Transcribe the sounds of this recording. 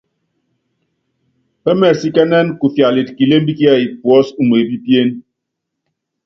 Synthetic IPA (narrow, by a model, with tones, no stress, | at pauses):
ɛ˦mɛ˨si˦kɛ˦nɛ˦nku˨fja˨li˨t̚ki˨le˦m˦bi˦ki˦a˦˨i˨pwɔ˨˦su˨m˨e˨bi˦pje˦n